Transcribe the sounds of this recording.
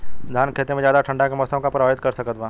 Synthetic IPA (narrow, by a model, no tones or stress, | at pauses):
d̪ʱaːnkʰeːt̪ẽmẽd͡ʒjaːd̪aʈʰə̃ɳɖakemɔːsəmkapɾaaːɦɪt̪̚kɐɾsɐkət̪ʋãː